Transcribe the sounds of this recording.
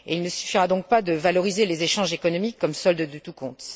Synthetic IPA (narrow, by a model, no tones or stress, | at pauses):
eilnəsy̥fiʁad̪ɔ̃k̚pad̪əvalɔʁizelezeʃɑ̃ʒekɔnɔmikʰːɔmsɔld̪əd̪yt̪ukɔ̃t̪